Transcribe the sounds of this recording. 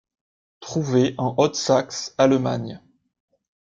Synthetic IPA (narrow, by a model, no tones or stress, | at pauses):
t̪χuveʔɑ̃ʔɔt̪saksalma̰ɲ